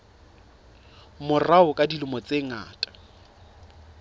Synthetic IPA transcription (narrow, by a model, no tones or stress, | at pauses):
mʊraʊkʼadilʊmɔt͡sʼeŋ̩a̰ːtʼḁ